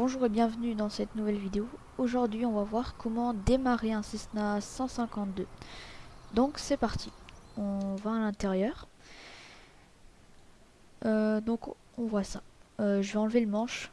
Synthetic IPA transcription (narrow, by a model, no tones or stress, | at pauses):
bɔ̃ʒuʁebjɛ̃vnyd̪ɑ̃sɛt̪nuvɛlvid̪eo | oʒuʁd̪ɥiɔ̃vavwaʁkʰɔmɑ̃d̪emaʁeɛ̃sɛsnasɑ̃sɛ̃kɑ̃t̪̚d̪ø | d̪ɔ̃ksɛpaʁt̪ʰiɔ̃vaːlɛ̃t̪ɛʁjœːʁ | ød̪ɔ̃k | ɔ̃vwasaøʒəvɛɑ̃lveləmɑ̃ʃ